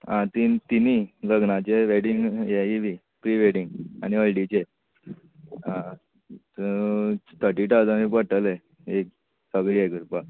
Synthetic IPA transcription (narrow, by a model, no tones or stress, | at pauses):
ãt̪int̪iniləɡnat͡ɕeʋeɽiŋɡjeiʋi | pɾiʋeɽiŋɡa̰niəlɖit͡ɕe | ɦã | t̪ət̪ʰəʈiʈad͡zamĩpəʈəle | ek̚ | səɡɭiekɾupa